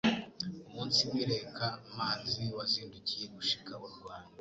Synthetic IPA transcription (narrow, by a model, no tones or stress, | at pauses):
umuːnsimiɾe̞kʰamaːziwaziːnducije̞ɡuʃi̥kaβoɾuɡwaːnda